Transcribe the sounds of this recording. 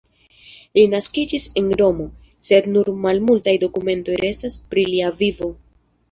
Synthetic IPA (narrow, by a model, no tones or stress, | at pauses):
linaskid͡ʒisendo̞mo̞ | se̞dnuɾmalmultajdo̞kume̞nto̞jɾe̞staspɾiliavivo̞